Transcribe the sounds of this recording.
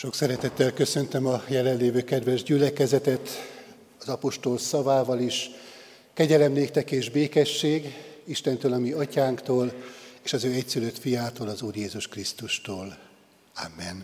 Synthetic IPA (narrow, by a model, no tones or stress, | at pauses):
ʃo̞ksɛɾɛt̪ɛt̪ːɛlkø̞sønt̪ømɒjɛlɛllːeːvøːkɛd̪vɛʒɟylɛkɛzɛt̪ɛt̪ | ɒzɒpo̞ʃt̪o̞lsɒvaːvɒliʃ | kɛɟɛlɛmleːk̚t̪ɛkeːʒbeːkɛʃːeːɡiʃt̪ɛnt̪øːlɒmiɒcaːŋkt̪oːleːʃɒzøːɛcsyløt̪fijaːt̪oːlɒzuːrjeːzuʃkrist̪uʃt̪oːl | a̰mːɛn